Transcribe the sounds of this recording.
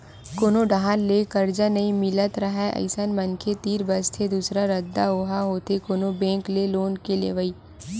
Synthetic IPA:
koːnoɖaɦanlekɐɾd͡ʒanɐĩmɪlət̪ɾɐɦɛɐ̰ɪsənmənkʰet̪iːɾbəst̪ʰed̪uːsɾaɾɐd̪ːaoːɦaɦoːt̪ekoːnobẽːŋkleloːnkelḛːʋəiː

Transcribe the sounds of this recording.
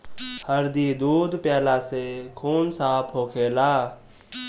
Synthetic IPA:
həɾd̪id̪uːd̪ʱpjɛːlasekʰuːnsaːpʰɦoːkʰeːlaː

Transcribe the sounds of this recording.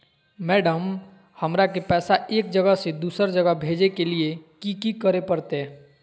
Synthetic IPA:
mɛːɖəm | həmɾakepɛːsaʔeːk̚d͡ʒəɡəsẽd̪usəɾd͡ʒəɡəbʱed͡ʒekeliekikikəɾepəɾt̪e

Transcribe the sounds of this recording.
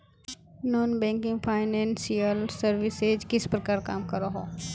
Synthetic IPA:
nɔːnbɛ̃ːŋkɪ̃ŋɡpʰaːɪnɛ̃ːnsijəlsəɾʋɪseːd͡ʒkɪspɾɐkaːɾkaːmkɐɾoɦoː

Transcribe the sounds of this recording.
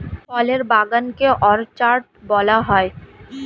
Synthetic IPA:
pɔleɾbaɡankeʔɔɾt͡ɕaɾʈbɔlaɦɔe

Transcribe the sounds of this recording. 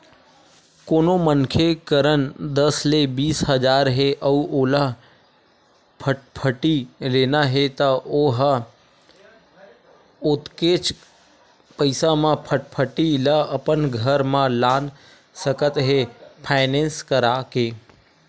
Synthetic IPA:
koːnomənkʰekəɾənd̪əslebiːsɦəd͡ʒaːɾɦeʔəuʔoːla | pʰəʈpʰəʈileːnaɦet̪əoɦ | ʊt̪ket͡ʃ | pəɪsamãpʰəʈ̚pʰəʈiləəpənɡʱəɾmãlaːn | səkət̪ɦepʰaːɪnẽːnskəɾakeː

